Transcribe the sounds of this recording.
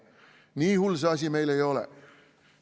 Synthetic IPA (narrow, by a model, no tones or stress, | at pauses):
niːhulseɑsimeilejolḛ